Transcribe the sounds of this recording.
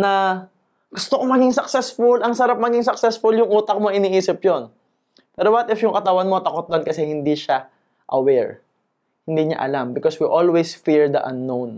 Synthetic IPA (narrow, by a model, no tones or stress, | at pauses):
nɐ | ɡ̥ʊst̪okomɐɡɪŋsɐksɛsfʊlɐŋsɐɾap̚mɐɡɪŋsɐk̚sɛsfʊljʊŋʔuːt̪ɐk̚moɪniːʔiːsɪp̚jon | pɛːɾowt̪ɪfjʊŋkɐt̪ɐwanmot̪ɐkot̪̚d̪onkɐsɛhɪnd̪iʃa | ʔɐwɛɹ | hɪnd̪iɲa̰ʔɐ̰lambɪkoswiʔolwesfiɹd̪ɐʔɐ̰nːown